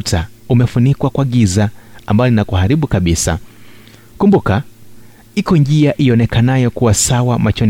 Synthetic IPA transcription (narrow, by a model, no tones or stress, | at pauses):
ta | umɛfunikwakwaɠizaambajɔlinakuhaɾiɓukaɓisa̰ | kumbuka | ikɔɲd͡ʒiaʔiɔnɛkanajɔkuwasawamat͡ʃɔn